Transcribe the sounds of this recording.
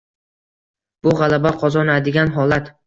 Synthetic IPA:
b̥ʊʁalˠabaqʰɒzɒnad̪ɪɡʲanɦɒlat̪

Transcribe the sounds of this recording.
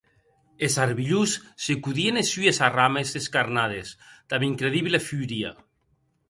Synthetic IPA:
esaɾβiʎusːekuðienesyesaramezðeskaɾnað̞ezd̪̥aβiŋkɾeðiβlefyɾia̰

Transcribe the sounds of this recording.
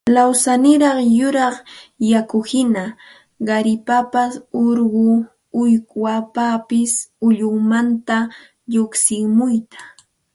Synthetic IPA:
lawsanɪɾɑχjʊɾɑχjakʊhɪna | ɢɑɾɪpapasoɾɢʊ | ʊjkwapapɪsʊʎʊŋmant̪a | ʎoksɪŋmʊjt̪ḁ

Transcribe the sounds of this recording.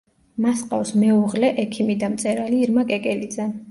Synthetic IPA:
masqʼa̰fsmɛuʁlɛʔɛkʰimid̪amt̪sʼɛɾaliɾmakʼɛkʼɛlid̪zɛ

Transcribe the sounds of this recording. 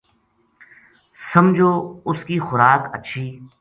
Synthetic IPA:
səmd͡ʒʱoːʊskiːxʊɾaːkəːʃʰiː

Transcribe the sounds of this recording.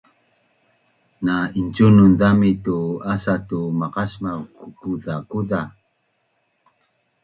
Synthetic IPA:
naint͡ʃununðamituasatumaqasmavkukuðakuða

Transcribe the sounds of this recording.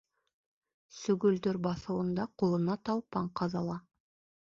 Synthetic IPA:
sɵɡʲɵld̪eɾbɑsəlˠənd̪ɑqʰolˠənɑt̪ʰɑlˠpɑɴqʰɑzɑlˠɑ

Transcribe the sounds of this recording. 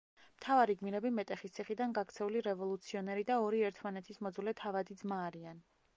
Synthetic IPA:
mt̪ʰavaɾiɡmiɾɛbimɛt̪ʼɛχist̪sʰiχid̪anɡakt̪sʰɛuliɾɛvɔlˠut̪sʰiɔnɛɾid̪aɔɾiɛɾt̪ʰmanɛt̪ʰismɔd̪zulɛt̪ʰavad̪id̪zmaːɾian

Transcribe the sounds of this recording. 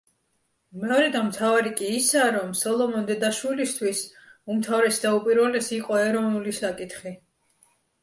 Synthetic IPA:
mɛɔɾɛd̪anmt̪ʰavaɾikʼiːsaɾɔmsɔlˠɔmɔnd̪ɛd̪aʃwilist̪ʰwis | umt̪ʰavɾɛsd̪aupʼiɾwɛlɛsiqʼɔɛɾɔvnulisakʼit̪ʰχi

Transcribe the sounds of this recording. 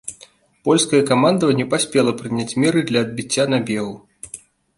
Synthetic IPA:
pɔlʲskɐjɐkamand̪ɐvɐnʲːɛpasʲpʲɛlˠɐpɾɨnʲat͡sʲmʲɛɾɨd̪lʲɐɐd̪̚bʲit͡sʲːanabʲɛɣu

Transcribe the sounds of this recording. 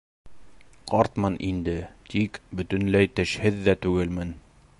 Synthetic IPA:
qɒɾt̪mɤnʔind̪ɘt̪ikbɵ̆t̪ɵ̆nlæjt̪ɘ̆ʃhɘðːæt̪ʉɡɘlmɘn

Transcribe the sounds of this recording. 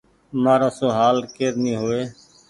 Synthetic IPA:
maːɾãːsoːɦaːlkeːɾnĩːɦoːeː

